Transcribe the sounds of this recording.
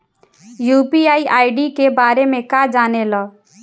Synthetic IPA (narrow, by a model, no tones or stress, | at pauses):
juːpiːaːiːʔaːiɖiːkebaːɾemẽkaːd͡ʒaːneːlɔː